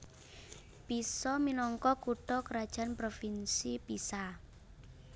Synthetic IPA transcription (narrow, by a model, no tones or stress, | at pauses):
pisɔminɔŋkɔkuʈɔkɾad̥ʒ̥a̤npɾofinsipisa